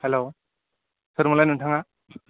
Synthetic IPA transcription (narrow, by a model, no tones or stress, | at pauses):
helo | sɯɾmulajnɯntʰaŋa